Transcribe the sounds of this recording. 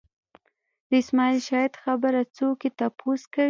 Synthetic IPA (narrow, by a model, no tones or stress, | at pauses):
d̪əɪsmɑilʃɑjɪd̪xabəɾat͡soket̪apʰoska